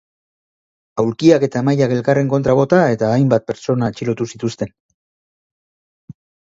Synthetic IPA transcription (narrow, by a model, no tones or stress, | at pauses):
awlkiake̞t̪amajake̞lkare̞ŋko̞nt̪ɾaβo̞t̪ae̞t̪aːjmbat̪̚pe̞ɾt͡ʃo̞nat͡ʃilo̞t̪usit̪ust̪e̞n